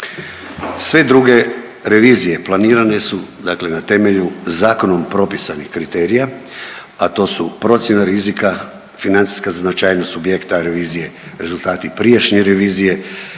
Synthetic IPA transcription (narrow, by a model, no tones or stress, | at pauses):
sʋe̞d̪ɾuɡe̞ | ɾe̞ʋiːzije̞plˠaniːɾane̞sud̪akle̞nat̪e̞me̞ʎuzaːko̞nompɾo̞pisanixkɾit̪e̞ɾija | at̪o̞ːsupɾo̞t̪sjenaɾizika | finant̪si̥skaznat͡ʃaːjnost̪subjekt̪aɾe̞ʋiːzije̞ɾe̞zulˠt̪aːt̪ipɾiaʃɲeɾe̞ʋiːzije̞